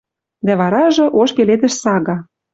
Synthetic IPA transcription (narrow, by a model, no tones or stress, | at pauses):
d̪æβɑɾɑʒɤ̆ʔoʃkeled̪ɘ̆ʃsɑɣɑ